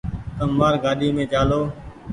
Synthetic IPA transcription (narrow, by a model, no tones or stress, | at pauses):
t̪əmːaːɾɡaːɗiːmẽːt͡ʃaːloː